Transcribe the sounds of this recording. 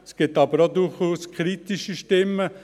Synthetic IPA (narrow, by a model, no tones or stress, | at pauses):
sɡ̥ɪt̪ɑbəɾod̪ʊχuːskʰɾit̪iʃəʃtɪmə